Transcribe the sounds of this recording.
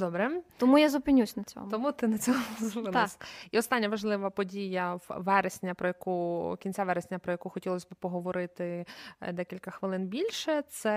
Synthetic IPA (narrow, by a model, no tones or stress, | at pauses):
d̪ɔbɾɛt̪ɔmujazʊpɪnʲusʲnɐt͡sʲɔ̰t̪ɔmut̪ɪnɐt͡sʲɔɦɔzʊpɪnsʲiɔst̪ɑnʲːɐʋɐʒlˠɪʋɐpɔdʲijɐʋɛɾesʲnʲɐpɾɔjɐkukʲinʲt͡sʲaʋɛɾesʲnʲɐpɾɔjɐkuxɔtʲilˠɔsʲbɪpɔɦɔʋɔɾɪt̪ɪd̪ɛkʲilʲkɐxʋɪlˠɪnbʲilʲʃɛt̪sɛ